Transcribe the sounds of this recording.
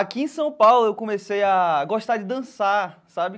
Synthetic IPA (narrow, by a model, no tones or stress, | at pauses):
akiẽsɐ̃w̃pawlʊewkõmesejaɡɔʃt̪ad͡ʒɪd̪ɐ̃sasabɪ